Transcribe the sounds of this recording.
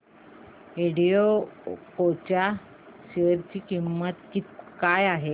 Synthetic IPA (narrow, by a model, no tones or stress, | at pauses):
iɽiopot͡ɕa | ɕəɾt͡ɕiːkimːət̪kit̪ikajaɦe